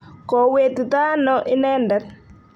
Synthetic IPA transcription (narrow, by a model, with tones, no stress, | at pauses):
kɔ˨we˨ti˨ta˦nɔʔɪ˦nɛ˦ndɛ˦r